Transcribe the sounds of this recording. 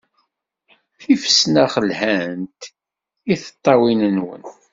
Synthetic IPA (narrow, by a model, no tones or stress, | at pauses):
θifə̥snæχəlhænt̪ | iθə̥t̪ˤːɑwinənwə̰n